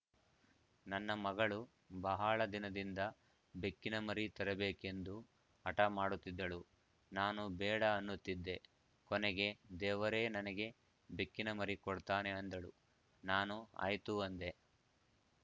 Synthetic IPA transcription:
nɐnːɐmɐɡɐɭu | bɐɦaɭɐd̪inɐd̪ind̪ɐ | bekːinɐmɐɾit̪ɐɾɐbe̞ːke̞nd̪u | ɐʈɐmaːɽut̪ːid̪ːɐɭu | naːnubɛːɽɐːnːut̪ːid̪ːe̞ | kɔnɛɡe̞d̪ɛːʋɐɾe̞ːnɐnɐɡe̞ | bekːinɐmɐɾikɔɽt̪aːne̞ɐnd̪ɐɭu | naːnua̰ːjt̪uɐnd̪e̞

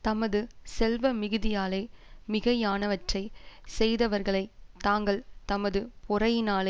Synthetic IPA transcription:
t̪ɐmɐðɯsɛlʋɐmɪɣɯðɪjaːlɐɪmɪɣɐjaːnɐʋɐʈrɐɪsɛjðɐʋɐɾɣɐɭɐɪt̪aːŋɡɐɭt̪ɐmɐðɯpʊrɐjnaːlɐ

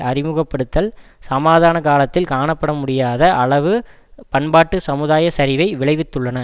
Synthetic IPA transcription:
ʔɐɾɪmuːɣɐpːɐɽɯt̪ːɐlsɐmaːðaːnɐkaːlɐt̪ːɪlkaːɳɐpːɐɽɐmʊɽɪjaːðɐʔɐɭɐʋɯ | pɐɳbaːʈːɯsɐmɯðaːjɐsɐɾɪʋɐɪʋɪɭɐɪʋɪt̪ːɯɭːɐnɐ

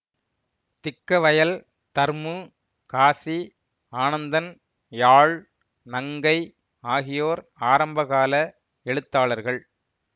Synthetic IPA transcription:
t̪ɪkːɐʋɐjɐl | t̪ɐɾmɯ | kaːsi | aːnɐnd̪ɐn | jaːɭ | nɐŋɡɐɪ | aːɣɪjoːɾaːɾɐmbɐɣaːlɐ | ɛɭɯt̪ːaːɭɐɾɣɐɭ

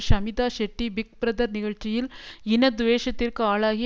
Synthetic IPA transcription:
ʃɐmid̪aːʃɐʈːibik̚pɾɐd̪ɐɾniɡɐɭt͡ʃijilinɐd̪ʋeːʃɐt̪iɾkɐaːɭaːɡi

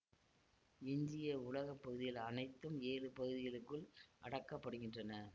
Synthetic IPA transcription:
ɪɲd͡ʒɪjɐʊlɐɣɐpːɐɣɯðɪjɐlɐnɐɪt̪ːɯmeːlɯpɐɣɯðɪɣɐɭɯkːɯɭʔɐɽɐkːɐpːɐɽɯɣɪndrɐnɐ

